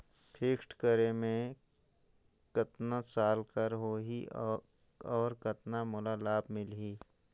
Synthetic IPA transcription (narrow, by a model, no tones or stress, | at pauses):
pʰeːkʈkəɾemẽ | kɐt̪nasaːlkəɾɦoːɦi | ɔːɾkɐt̪namʊlalaːbmɪlɦiː